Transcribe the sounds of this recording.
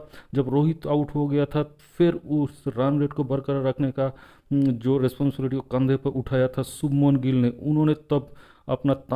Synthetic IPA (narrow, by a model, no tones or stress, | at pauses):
d͡ʒɐbɾoːɦɪt̪aʊʈɦoɡɐjat̪ʰa | pʰɪɾʊsɾaːnɾeːʈkobɐɾkəɾaɾəkʰneka | d͡ʒoːɾɛspɔ̃ːnsɪbɪlɪʈ̬iokə̃nd̪ʱepɐɾʔʊʈʰaːjat̪ʰasʊbmonɡɪlneʔʊnɦõːnet̪ɐb | ɐ̰pnat̪